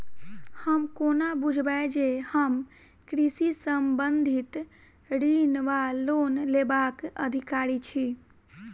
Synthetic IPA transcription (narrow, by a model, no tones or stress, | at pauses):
həmkonabud͡ʒʱbaed͡ʒehəm | kɾisisəmbənd̪ʱit̪ | ɽinʋalonlebakəd̪ʱikaɾit͡ʃʰi